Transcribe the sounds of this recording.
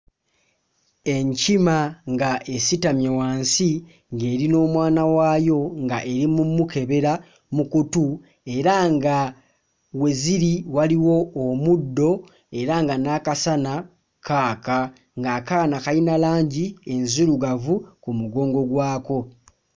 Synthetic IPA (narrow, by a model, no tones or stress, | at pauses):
e̞ɲcimaŋɡaʔe̞sitamjewaːnsi | ŋɡe̞ːɾino̞ːmwaːnawaːjo̞ŋɡaʔe̞ɾimumuke̞βe̞ɾa | mukutu | e̞ɾaŋɡa | we̞ziɾiwaliwo̞ːmudːo̞ | e̞ɾaŋɡanakasana | kʰaːka | ŋɡaːkaːnakainalaːɲɟie̞nzuɾuɡavukumuɡo̞ːŋɡo̞ɡwaːko̞